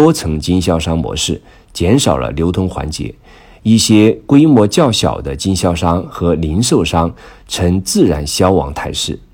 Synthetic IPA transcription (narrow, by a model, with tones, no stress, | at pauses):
ɔ˥t͡sʰɤ˧˥ŋt͡ɕi˥nɕjɑ˥ʊʂɑ˥ŋmwɔ̰˧˥ʂɻ̩˥˩ | t͡ɕjɛ˧˥nʂɑ˨˩ʊlə̰˦ljo˧˥ʊt̪ʰʊ˥ŋxwa̰˧˥nt͡ɕjɛ̰˧˥ | i˥˩ɕjɛ˥kwe˥ɪmwɔ˧˥t͡ɕjɑ˥˩ʊɕjɑ̰˨˩ʊd̪ə˦t͡ɕi˥nɕjɑ˥˩ʊʂɑ˥ŋxɤ˧˥li˧˥nʂo˥˩ʊʂɑ˥ŋ | ʈ͡ʂʰɤ˧˥ŋt͡sɹ̩˥˩ɻa˧˥nɕjɑ˥ʊwɑ̰˧˥ŋt̪ʰa˥˧ɪʂɻ̩˥˩